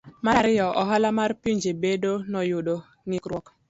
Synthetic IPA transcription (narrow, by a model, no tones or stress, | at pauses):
maɾɪjɔʔɔɦalamaɾpiɲd͡ʒebedonɔjʊdo | ŋikɾwɔk